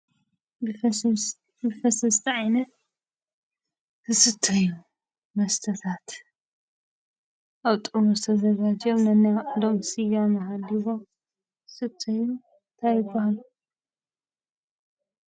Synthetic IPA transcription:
bɨfɐsɐst̪ʰiʕajnɐt̪ | tʰɨsɨt̪ʰːɨju | mɐst̪ʰɐt̪ʰat̪ | ʔaβt̪ʼumuzɨt̪ʰɐzɐɡad͡ʒɐmnɐnːijad̪omsɨjamɐhalːiβom | tɨsɨt̪ʰːɐju | nt̪ʰajɪbːahalu

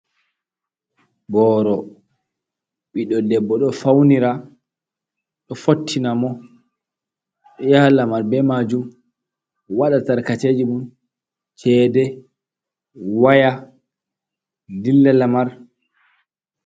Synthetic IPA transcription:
bɔːɾɔ | ɓiɗɔdɛbːɔɗɔfawniɾa | ɗɔfotʰːinamɔ | jaalamaɾbɛmad͡ʒum | waɗataɾkated͡ʒimun | t͡ʃɛːdɛ | waja | lilːalamaɾ

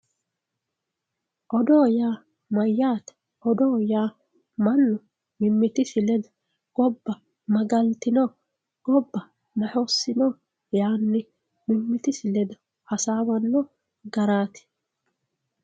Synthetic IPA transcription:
ʔɔd̪oːjaː | mɐjːaːt̪ | ʔɔd̪oːjaː | mɐnːʊ | mɪmːɪt̪ɪsɪlɛd̪ʊ̥ | ɡ̥ɔbːɐ | mɐɡɐlt̪ɪnɔː | ɡ̥ɔbːɐ | mɐħosːɪnɔ | jaːnːɪ | mɪmːɪt̪ɪsɪlɛd̪ɐ | hɐsaːwɐnːɔ | ɡɐɾaːt̪ɪ̥

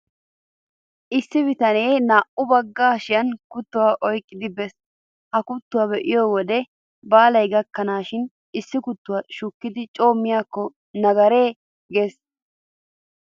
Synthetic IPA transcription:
ʔɪsːɪbɪt̪ɐneːnaːʔʊbɐɡːaːʃɪjɐnkʊt̪ːʊwaːʔɔjkʼːɪd̪ɪbɛs | hɐkʊt̪ːʊwabɛʔɪjoːwɔd̪ɛ | baːlɐjɡɐkːɐnaːʃɪn | ɪsːɪkʊt̪ːʊwɐʃʊkːɪd̪ɪt͡ʃʼo̞ːmːɪjaːkːɔ | nɐɡɐɾeː | ɡes

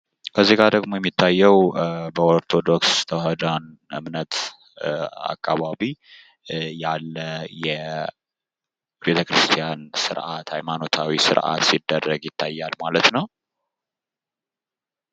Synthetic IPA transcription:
kʰəzːiɡad̪əɡmo̞jɛmːit̪ʰːajːɛwbəoɾt̪ʰo̞d̪o̞kst̪ʰəwɦəd̪an | ʔɨ̰mnət̪ | a̰kʼːaβaβi | jalːəjɛ | be̞t̪ʰəkɾɨst̪ʰijansɨɾʔat̪hajmano̞t̪ʰawisɨ̰ɾʔa̰t̪sid̪ːərːəɡjɪt̪ʰːajːalmalət̪nəw

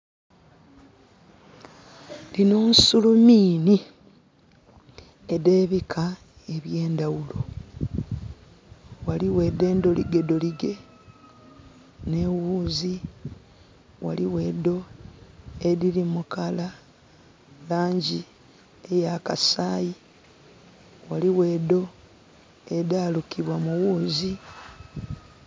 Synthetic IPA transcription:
lino̞ːnsulumiːni | ede̞ːβikʰa | e̞βje̞ːndawulo̞ | waliwe̞de̞ːndo̞lḭɡe̞do̞liɡe̞ | ne̞wuːzi | wa̰liwe̞ːdo̞ | eɾiɾimukala | laːɲɟi | ejakasaːji | waliwe̞do̞ | e̞daːlukiβwamuwuːzi

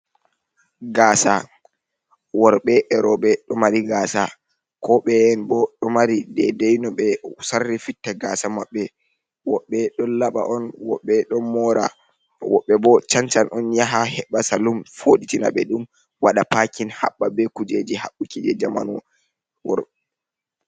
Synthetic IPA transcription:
ɡaːsa | wɔɾɓɛɓɛɾɔɓɛɗɔmaɾiɡaːsa | kɔɓɛɛnbɔɗɔmaɾidɛdejnɔɓɛsarːifitːaɡasamaɓːɛ | wɔɓːɛɗɔlaɓa̰ʔɔnwɔɓːɛɗɔnmɔɾa | wɔɓːɛbɔt͡ʃant͡ʃanʔɔnjaɦahɛɓasalumfoɗitina̰ɓɛɗum | waɗapakinha̰ɓːabɛkud͡ʒed͡ʒihaɓːukid͡ʒɛd͡ʒama̰nɔ | wɔ̰

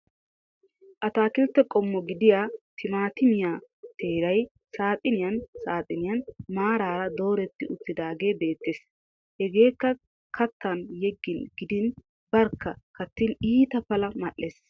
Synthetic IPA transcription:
ʔɐt̪aːkɪlt̪ːɛkʼɔmːɔɡɪd̪ɪjaːt̪ʰɪmaːt̪ɪmɪjaːt̪e̞ːɾɐj | saːt̪ʼɪnɪjɐnsaːt̪ʼɪnɪjɐnmaːɾaːɾɐd̪o̞ːɾɛt̪ːɪʔʊtːɪd̪aːɡe̞ːbe̞ːt̪ːeːs | hɛɡe̞ːkːɐ | kʰɐt̪ːɐnjɛɡːɪnɡɪd̪ɪn | bɐɾkːɐkɐt̪ːɪniːt̪ɐpɐlɐmɐʔːeːs

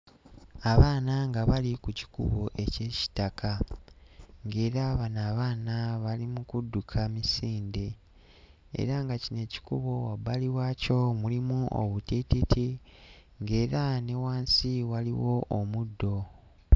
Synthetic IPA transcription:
aβaːnaŋɡaβalikuci̥kṵβo̞ʔe̞ce̞ːci̥takʰa | ŋɡe̞ːɾaːβanaːβaːnaβalimukudːukʰamisiːnde̞ | ḛɾaŋɡacine̞ci̥kuβo̞wabaliwaːco̞mulimuʔo̰βutititʰi | ŋɡe̞ːɾane̞waːnsiwaliwo̞ʔːmudːo̞

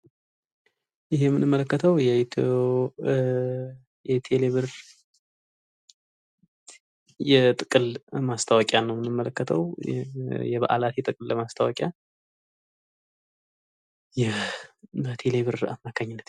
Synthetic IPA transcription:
jɪɦejɛmːɨnɨmːələkːət̪ʰəwjɛt̪ʰo | jɛt̪ʰeleβɨɾ | jɛt̪ʼɨkʼɨlmast̪ʰəwɔkʼjanːəwmɨnɨmːələkːət̪ʰə̰w | jɛβa̰ʔa̰lat̪jɛt̪ʼɨkʼɨlləmast̪ʰəwɔ̰kʼja | jɛ | bət̪ʰe̞le̞βɨɾa̰mmakʰaɲːɪnːət̪

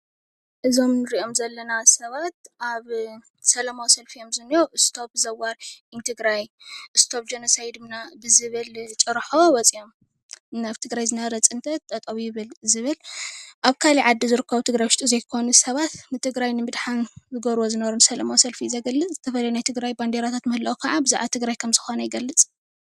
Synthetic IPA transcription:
ʔɨzo̞mnɨɾiʔo̞mzɐlːɐnasɐβat̪̚ʔaβ | sɐlamawsɐlfijomzɨnːijoʔɨst̪ʰo̞p̚zɐwaɾʔint̪ʰɨɡɾajʔɨst̪ʰo̞p̚d͡ʒɐnɐsajd̪ɨmnabɨzɨβɨlt͡ʃʼɨɾħowɐt͡sʼio̞m | naβt̪ʰɨɡɾajzɨnaɾɐt͡sʼɨnt̪ʰɐt̪t̪ʼːɐt̪ʼɐwijɪβɨlzɨβɨlʔaβkʰaliʕad̪ːizɨɾɨkʰːɐβut̪ʰɨɡɾajwʃt̪ʼuzejkʰo̞nusɐβat̪nɨt̪ʰɨɡɾajnɨmɨd̪ħanzɨɡɐɾwozɨnɐβɐɾunsɐlɐmawsɐlfizɐɡɐlːɨt͡sʼzɨt̪ʰɐfɐlɐjunajt̪ʰɨɡɾajband̪eɾat̪ʰat̪mɐhlɐwukʰaʕabɨza̰ʕat̪ʰɨɡɾajkʰɐmzɨxonɐjɪɡɐlːɨt͡sʼ

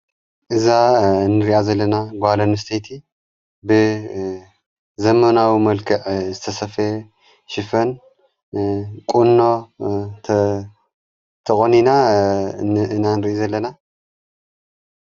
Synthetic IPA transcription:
ʔɨzanːɨɾiʔazɐlːɐnaɡʷalonɨst̪ʰejt̪ʰi | bɨ | zɐmɐnawimɐlkʰɐʕzɨt̪ʰɐsɐfe | ʃɪfɐn | kʼunːo | t̪ʰɐχʼonina | ɨnanɨɾiʔjizɐlːɐna

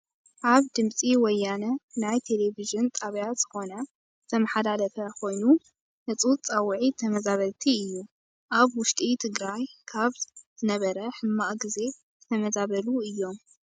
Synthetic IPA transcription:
ʔaβd̪ɨmt͡sʼiwɔjːanɐnajt̪ʰe̞le̞viʒɨnt̪ʼaβjat̪z̥ɨxo̞nɐ | zɨt̪ʰɐmɐħad̪alɐfɐkʰo̞jnu | nɨt͡sʼɨwt͡sʼawʕit̪ʰɐmɐzaβɐlt̪ʰiɨjːu | ʔaβwʊʃt̪ʼit̪ʰɨɡɾajkʰaβz̥ɨnɐβɐɾɐħɨmːaʔɡize̞ | zɨt̪ʰɐmɐzaβɐluɨjːo̞m

